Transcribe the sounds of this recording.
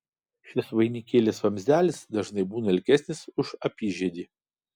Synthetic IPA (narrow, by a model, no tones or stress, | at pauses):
ʃʲɪsʋɐɪnʲikʲeːlʲesʋɐmʲzʲæːlʲɪsd̪ɐʒnɐɪbuːnɐɪlʲkʲɛsʲnʲɪsʊʃɐpʲiːʒʲɛd̪ʲiː